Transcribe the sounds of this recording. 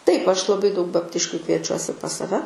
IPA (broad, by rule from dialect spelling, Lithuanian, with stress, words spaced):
ˈtɐɪp ˈɐʃ lˠɐˈbɐɪ dɐʊk bɐpʲˈtʲɪʃʲkʲuː kʋʲiɛˈt͡ʃʲuɔsʲɪ pɐs sɐˈʋʲɛ